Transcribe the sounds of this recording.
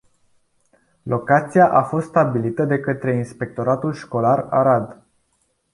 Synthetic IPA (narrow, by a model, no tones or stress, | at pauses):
lo̞kat̪sijaʔafo̞st̪st̪abilit̪əd̪e̞kət̪ɾe̞inspe̞k̚t̪o̞ɾat̪ulʃko̞lara̰ɾad̪